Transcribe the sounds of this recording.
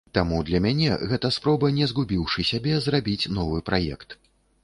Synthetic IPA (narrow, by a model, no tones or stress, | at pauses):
t̪amud̪lʲɐmʲanʲɛ̰ɣɛt̪ɐspɾɔbɐnʲɛzɣubʲiwʂɨsʲabʲɛzrabʲit͡sʲnɔvɨpɾajɛ̰kt̪